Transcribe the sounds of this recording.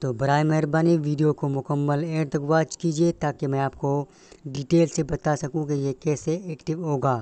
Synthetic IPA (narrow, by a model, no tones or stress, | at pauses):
t̪oːbɐɾaːjmɛɦːɾbaːniʋiːɖijokomʊkəmːəleːɾt̪ɐɡʋaːt͡ʃkiːd͡ʒiet̪aːkemɛ̃aːp̚ko | ɖiːʈeːlsebɐt̪asɐkũkijekɛːseeːkʈɪʋɦoːɡaː